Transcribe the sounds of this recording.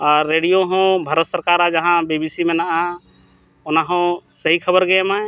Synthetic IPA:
aɾːeɽijoɦɔ̃bʱaɾət̪səɾkaɾad͡ʒaɦãbibisimenaʔa | ʊnaɦɔ̃səɦikʰəbəɾɡɛma

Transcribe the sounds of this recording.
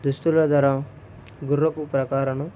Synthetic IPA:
d̪ust̪ulɐd̪ɐɾã | ɡuɾːɐpupɾɐkaːɾɐnɐ

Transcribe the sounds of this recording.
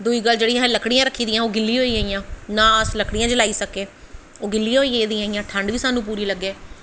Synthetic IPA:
d̪uiːɡəlːd͡ʒeːɽiːɦːləkɽɪjãːɾəkʰːiːd̪ɪ̃jãːoːɡɪlːiːɦoːiːaːijãːnãːəsləkʰɽijãːd͡ʒəlaːiːsəkeː | oːɡɪlːijãːɦoːiːed̪ĩːaːiːãːʈʰəɳɖʋiːsaːnũːp̬uːɾiːləɡeː

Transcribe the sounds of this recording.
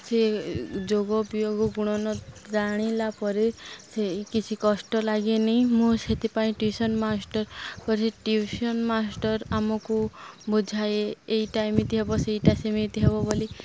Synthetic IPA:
sed͡ʒoɡɔpjoɡɔɡuɽ̃ɔnɔɾaɽ̃ilapɔɾesekit͡ʃʰikɔsʈɔlaɡenej̃mũset̪ipaĩʈusɔnmasʈɔɾkɔɾisʰeʈusiɔnmasʈɔɾamɔkubud͡ʒʱajeːiʈajmit̪iɦebɔseiʈasemit̪iɦebɔboli

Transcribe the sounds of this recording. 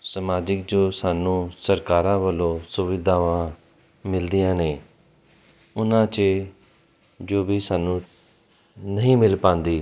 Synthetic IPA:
səmaːd͡ʒɪk̚d͡ʒoːsaːnũːsəɾkaːɾãːʋəlõːsʊʋɪd̪ʱãːʋãː | mɪld̪ijãːneː | ʊnãːt͡ʃə | d͡ʒoːbiːsaːnũː | nəɦĩːmɪlpãːnd̪iː

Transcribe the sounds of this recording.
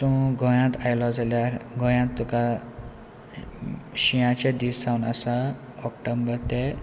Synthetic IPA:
sũɡʱɔ̃jãt̪ajlɔd͡zaljaɡʱõjãt̪ːuka | ɕijãt͡ɕed̪iːssawnasa | ɔkʈəmbəɾt̪ɛ

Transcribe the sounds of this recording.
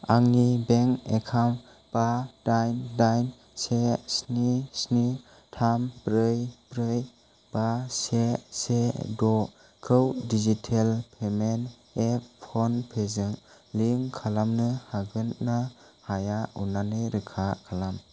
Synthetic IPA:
aŋnibeŋekʰam | b̥adajndajn | sesnisni | tʰampɾɯjpɾɯj | b̥asesedɔ | kʰɯwdizitʰelpʰemen | epʰɔnpʰezɯŋ | liŋkʰalamnɯhaɡɯnːa | hajaṵnanɯɾɯkʰakʰalam

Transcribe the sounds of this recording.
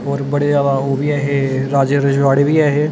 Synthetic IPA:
ɔːɾbəɽezjaːd̪aoːbiːɛːɦeːɾaːd͡ʒeɾəd͡ʒʋaːɽeːʋiːɛːɦeː

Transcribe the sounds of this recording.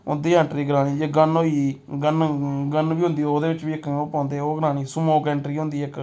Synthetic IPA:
ʊ̰nd̪iːɛ̃ːɳʈɾiːɡɾãːniːd͡ʒeɡənoːi | ɡənɡənʋiːɦʊ̃nd̪iːoːd̪eːʋɪt͡ʃʋiːɪkːoːpãːnd̪eːoːɡɾaːniːsʊmoːkɛːɳʈɾiːɦʊ̃nd̪iːɪk

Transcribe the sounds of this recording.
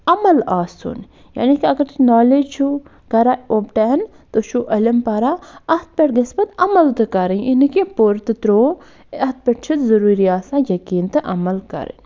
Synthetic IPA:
ɐmɐlaːsṵn | ja̰ːnikiɐɡɐɾnɔːled͡ʒt͡ʃʰu | ɡɐɾaobʈɛn | t̪ot͡ʃʰuʔɐlɐmpɐɾaɐht̪̚pʲeʈɡɐsbɐt̪ɐmɐlt̪ɨkɐɾənʔinkipoɾt̪ɨt̪ɾoː | ɐt̪̚pʲeʈt͡ʃʰit̪zɐɾuːɾiaːsãːjɐkiːnt̪ɨʔɐmɐlkɐ̰ɾə̰n

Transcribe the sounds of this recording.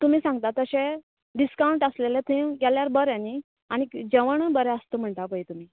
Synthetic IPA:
t̪um̤iːsãŋɡt̪at̪əɕe | ɖiskawɳʈəslelet̪ʰẽɡɛljaɾbəɾjani | aɽ̃id͡ʑeʋəɳbəɾɛəst̪om̤əɳʈ̪apəit̪um̤iː

